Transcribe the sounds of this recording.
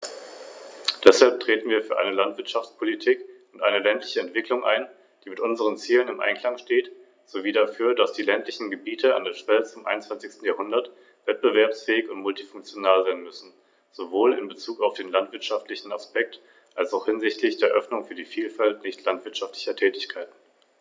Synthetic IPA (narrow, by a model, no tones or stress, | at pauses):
d̥ɛshalp̚tʁ̥eːtn̩viːɐfyːɐʔa̰ɪnəlantv̥ɪɐtʃaft͡spʰolitʰiːkʊntʔaɪnəlɛntlɪçəɛntv̥ɪklʊŋʔa̰ɪn | d̥iːmɪtʔʊnzəʁ̞ənt͡siːlənɪmʔa̰ɪnkʰl̥aŋʃteːt | z̥oviːdafyːɐdasd̥iːlɛntʰlɪçn̩ɡəbiːtʰəa̰ndeːɐʃv̥ɛlʊmʔa̰ɪnt͡sv̥ant͡sɪçstn̩jaːhʊndɐt | v̥ɛt̚b̥əvɛɐpsfɛːɪçʊntmʊltifʊŋkt͡sjonaːlzaɪnmʏsn̩ | z̥ovoːlɪ̰nbət͡suːkaʊfd̥eːnlantv̥ɪɐtʃaftlɪçn̩aspɛk̚t | ʔalsaʊxhɪnzɪçtlɪçd̥eːɐʔœfnʊŋfyːɐdiːfiːlfaltnɪçtʰlantv̥ɪɐtʃaftlɪçɐtʰɛːtɪçkʰaɪtn̩